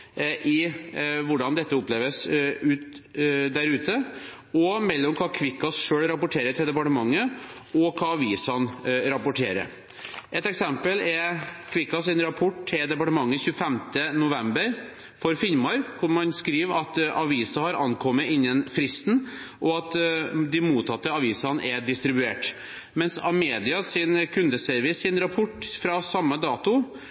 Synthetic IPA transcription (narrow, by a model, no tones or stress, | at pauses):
ʔɪʋʊɖɑnd̪ɛt̪ːəʊpleːʋəsʉːt̪d̪æɾʉːt̪ə | ɔmɛlːɔmkʰɑːkʰʋɪkːɑsʂøːɽɾɑpʊʈʰeːɾət̪ʰɪld̪ɛpɑʈəmɑŋːəɔkʰɑːɑʋiːsɑnɾɑpʊʈʰeːɾə̰ɾ | ʔɛt̪ɛksɛmpəlɛkʰʋɪkːɑsɛnɾɑpʰɔʈt̪ʰɪld̪ɛpɑʈəmɑŋːəçʉːəfɛmt̪ənʊʋɛmbəɾ | fɔɾfɪlmɑɾkʰʊɳmɑnskɾiːʋɑt̪ʔɑʋiːsɑhɑɾɑnkʰɔmːəɪnːənfɾɪst̪n̩ʔɔɑt̪d̪ɪmuːt̪ʰːɑt̪ːəɑʋiːsɑnʔɛɖɪst̪ɾɪbʉeːʈ | mɛnsɑ̰meːd̪ɪɑsɪnkʰʉnd̪əsœɾʋɪsɪnɾɑpʰɔʈːfɾɑsɑmːəd̪ɑːt̪ʊ